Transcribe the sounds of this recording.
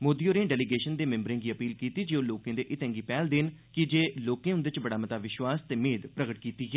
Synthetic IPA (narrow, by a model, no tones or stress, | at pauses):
moːd̪iːoːɾẽːɖɛːliɡeːʃənd̪eːmɛ̃mbɾẽːɡiːəpiːlkiːt̪iːd͡ʒeːoːloːkẽːd̪eːʔɪt̪ɛ̃ːŋɡiːpɛːld̪ɪnkɪd͡ʒeːloːkẽːʊ̃nd̪eːt͡ʃbəɽaːmət̪aːʋɪʃwaːst̪eːmeːd̪pɾəɡəʈ̚kiːt̪iːɡɛː